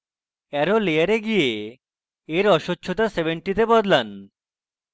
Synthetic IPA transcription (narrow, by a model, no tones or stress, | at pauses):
ɛɾolejaɾeɡijeː | ɾɔʃotːɕʰot̪asebeɳʈit̪ebɔd̪lan